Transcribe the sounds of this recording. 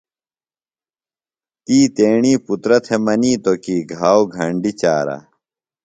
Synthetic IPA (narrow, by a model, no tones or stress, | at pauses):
t̪iːt̪eːɳiːput̪ɾɐt̪ʰemɐniːt̪okiːɡʱaːwɡʱɐɳɖit͡ɕaːɾa̰